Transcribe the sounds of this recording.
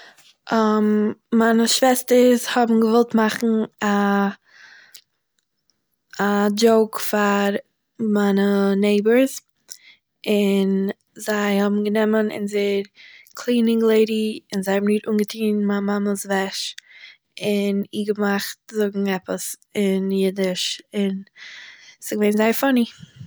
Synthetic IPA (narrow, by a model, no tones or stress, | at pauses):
ʔamːanəʃv̥ɛstəɾshɔbm̩ɡəvɔlˠtmaχn̩a | d͡ʒoʊkfaɾ | manəneɪbəɾz | ɪn | zaɪhɔbm̩ɡənɛmənɪ̰nzeɾkʰlˠiːnɪŋɡlˠeɪɾiɪnzaɪhɔbmnɪɾuːnɡətʰiːnmamaməsvɛʃ | ɪniːɡəmaχtzʊɡŋ̩ɛpəsɪnjɪdɪʃɪn | sɪɡəveɪnzaɪfɔni